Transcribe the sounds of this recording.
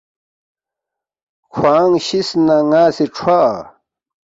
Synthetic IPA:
kʰwaːŋɕisnaŋaːseʈ͡ʂʰwaː

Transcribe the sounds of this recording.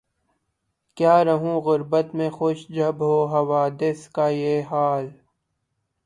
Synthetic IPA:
kjaːɾɐɦũːɣʊɾbət̪mẽxʊʃd͡ʒʱɐbɦoːɦɐʋaːd̪ɪskaːjeːɦaːl

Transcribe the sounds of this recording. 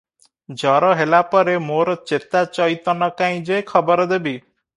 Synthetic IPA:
d͡ʒɔɾɔɦelapɔɾemoɾɔt͡ʃet̪at͡ʃɔjt̪ɔnɔkaĩd͡ʒekʰɔbɔɾɔd̪ebi

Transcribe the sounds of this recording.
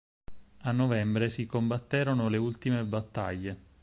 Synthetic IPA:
anːovɛmbɾesikombat̪ːeːɾonoleult̪imebat̪ːa̰ʎːe

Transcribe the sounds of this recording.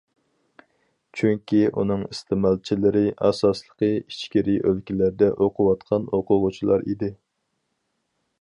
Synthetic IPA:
t͡ʃʰyŋkʲiʔunɨŋɨst̪ʰɪmɑlˠt͡ʃʰilɪɾɪʔɑsɑslˠə̥qʰəit͡ʃkʲiɾiʔølkʲilæɾd̪ɛʔoqʰʊwɑt̪qʰɑnoqʰʊʁʊt͡ʃʰilˠɑɾḭd̪ɪ

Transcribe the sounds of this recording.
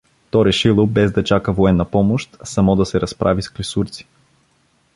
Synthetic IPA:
t̪ɔɾɛʃilˠobɛzd̪ɐt͡ʃakəvoɛnːɐpɔmoʃt̪sɐmɔd̪ɐsɛɾɐspɾʔavisklisuɾt̪si̥

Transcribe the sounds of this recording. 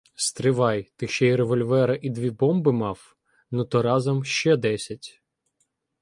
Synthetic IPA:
st̪ɾɪʋɑjt̪ɪʃt͡ʃɛiɾeʋɔlʲʋɛɾɐʔid̪ʋʲibɔmbɪmɑw | nut̪ɔɾɑzɔmʃt͡ʃɛd̪ɛsʲɐtʲ

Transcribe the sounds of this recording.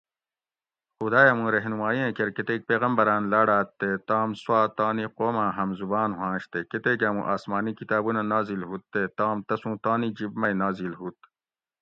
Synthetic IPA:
xud̪aːjɐmũɾɐɦnumaːiẽkɐɾket̪eːk̚peːɣɐmbɐɾaːnlaːɽaːt̪ːet̪aːmswaːt̪aːniqoːmãːɦɐmzubaːnɦãːɕt̪eket̪eːk̬ɐmṵ̃ʔaːsmaːnikit̪aːbunanaːzilɦut̪ːet̪aːmt̪ɐsũːt̪aːnid͡ʑibmɐjnaːzilɦut̪̚

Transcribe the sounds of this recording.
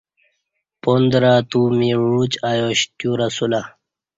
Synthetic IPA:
pond̪ɾat̪umiɻut͡ɕajoɕtjuɾasula

